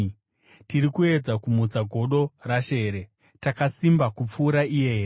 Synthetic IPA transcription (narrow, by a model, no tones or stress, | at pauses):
tiɾikue̞d͡zakumud͡zaɡʱo̞ɗo̞raʃe̞ːɾe̞ | takasimbakup͡fuːɾaije̞ɦeːre